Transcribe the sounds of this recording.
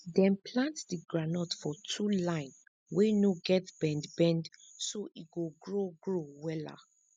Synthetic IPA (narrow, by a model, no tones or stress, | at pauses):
dɛ̃npʰlãntsdiɡɹanɔtfɔtʰulãɪ̃n | wenoɡɛtbɛ̃ndbɛ̃ndsoʔiɡoɡɹoɡɹowɛla̰